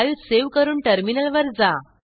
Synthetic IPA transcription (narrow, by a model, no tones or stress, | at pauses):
juːseʋkəɾuːɳʈəɾminəlʋəɾd͡za